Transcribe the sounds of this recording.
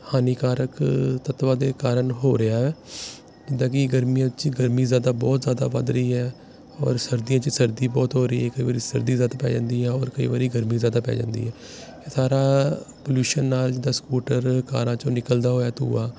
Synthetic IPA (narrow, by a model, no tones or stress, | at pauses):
haːniːkaːɾəkt̪ət̪ʋaːd̪eːkaːɾənɦoːɾəjaːɦɛː | d͡ʒɪd̪aːkɪɡəɾmijãːt͡ʃɡəɾmiːzjaːd̪aːbɔːt̪zjaːd̪a̰ːba̰ːd̪ɾəiːɦɛː | ɔ̰ːɾsəɾd̪ijãːt͡ʃsəɾd̪iːbɔːt̪ɦoːɾəiːɦɛːkəiːʋaːɾiːsəɾd̪iːzjaːd̪aːpɛ̰ːd͡ʒã̰ːnd̪iːɦɛːɔːɾkəḭːʋaːɾiːɡəɾmiːzjaːd̪aːpɛ̰ːd͡ʒã̰ːnd̪ḭːɦɛː | esaːɾaːpoːljuːʃənːaːld͡ʒɪd̪aːskuːʈəɾkaːɾãːt͡ʃõːnɪkəld̪aːɦoːjaːt̪ṵːaː